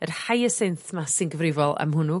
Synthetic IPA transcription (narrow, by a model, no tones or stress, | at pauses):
ərhajəsenθmasɪnɡəvrɪvɔlˠa̰mɦʊnu